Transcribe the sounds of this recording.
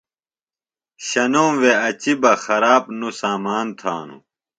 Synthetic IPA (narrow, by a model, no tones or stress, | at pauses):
ɕɐnoːweɐt͡ɕibɐxɐɾaːpnusaːmaːnt̪ʰa̰ːnṵ